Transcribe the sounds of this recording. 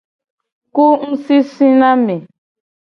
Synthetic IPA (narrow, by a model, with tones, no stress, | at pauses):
ku˦n̩˦si˦si˦na˦mɛ˨